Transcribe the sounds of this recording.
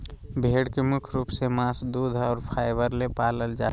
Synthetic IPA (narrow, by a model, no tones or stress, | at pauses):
bʱeːɽkemʊkʰɾuːpsemaːsd̪uːd̪ʱɔːɾpʰaːɪʋəɾlepaːləld͡ʒa̰ː